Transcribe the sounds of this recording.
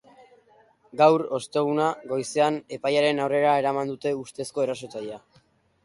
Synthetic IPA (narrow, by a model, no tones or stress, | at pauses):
ɡawɾo̞st̪e̞ɣ̞unaɡo̞jse̞ane̞pajaɾe̞nawre̞ɾae̞ɾamand̪ut̪e̞ust̪e̞sko̞e̞raso̞t͡saʎa